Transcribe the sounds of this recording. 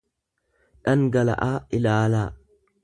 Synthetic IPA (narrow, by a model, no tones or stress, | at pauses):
ᶑɐŋɡɐlɐ̰ʔaːɪlaːlaː